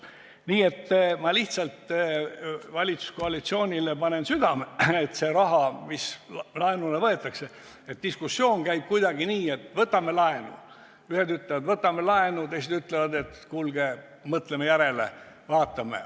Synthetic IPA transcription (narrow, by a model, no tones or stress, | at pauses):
niːe̞t̪ːmɑliht̪sɑlt̪ | vɑlʲit̪su̥skoɑlit̪sio̞ːnʲilepɑne̞nsyd̪̥ɑmeet̪se̞ɾɑɦɑmislɑenulevɤe̞t̪ːˑɑkse̞ | et̪̚d̪̥iskusːjo̞ːnkæjb̥̚kujd̪ɑɡiniːe̞t̪ːˑvɤt̪ːˑɑme̞lɑenṵ | yhed̪yt̪levɑd̪vɤt̪ːˑɑmelɑenut̪ejs̬id̪yt̪ˑlevɑd̪e̞t̪kulɡ̥e | mɤt̪lemejæɾe̞lḛ | vɑːt̪ːˑɑmḛ